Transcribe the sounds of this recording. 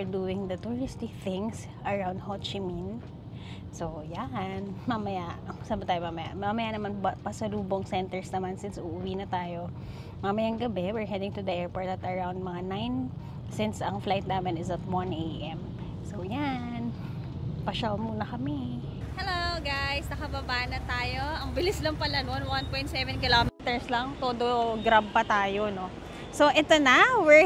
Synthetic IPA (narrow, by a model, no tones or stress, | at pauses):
ɹd̪uːɪŋd̪ɐt̪ʊɹɪst̪ɪk̚θɪ̃ŋs | ʔɐɹawnd̪̚hot͡ʃɪmin | sojaʔɐnmamɐjaɐsaːbɐt̪aːjomamɐja̰mamɐjanɐmanbɐpɐsɐluːboŋsɛnt̪ɛɹsnɐmansɪnsʊʔʊwiːnɐt̪aːjo̞ | mamɐjaŋɡɐbɛwɪɹɦɛd̪ɪŋt̪ʊd̪aʔɛɹpɔɹd̪ɐt̪ɐɹawnd̪̚mɐŋanajn | sɪnsɐŋflajt̪̚naːmɪnɪsɐt̪̚wanʔejʔɛm | so̞wja | n | pɐʃamuːnɐkɐmɛ | hɛlowɡajsnɐkɐbɐbaːʔnɐt̪aːjoɐŋbɪlɪslɐŋpɐlɐnonwanpojnt̪sɛvɛnkɪlomɛt̪ɛɹslɐŋt̪oːd̪oɡɾab̚pɐt̪aːjo̞no̞ | so̞ʔɛt̪onɐwɪɹ